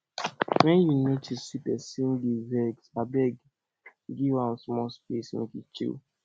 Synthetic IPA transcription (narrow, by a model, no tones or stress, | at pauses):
wɛ̃njunotʰisipɛsĩnɡivɛɡsabɛɡ | ɡiwãsmɔspesmḛkit͡ʃḭl